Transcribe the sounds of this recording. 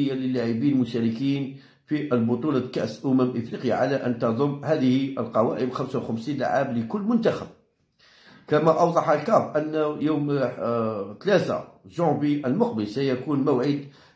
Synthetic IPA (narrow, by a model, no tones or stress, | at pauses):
əjːaləlːaʕibiːnlmʊʃæɾəkiːn | fiʔəlbʊt̪ˤulɑkæ̰ʔsʔʊmæmʔəfɾiqəja̰ʕalæʔənt̪ɑd̪ˤʊmːhæd̪əhiʔəlqɑwæ̰ʔəmxæmsawxæmsiːnla̰ʕabləkʊlːmʊnt̪æxæb̚ | kæmæʔɑwd̪ˤɑħəlkɑbʔənːjum | t̪læt̪a̰ʒʊʕbiʔəlmʊq̚bəlsæjækunmæwʕid̪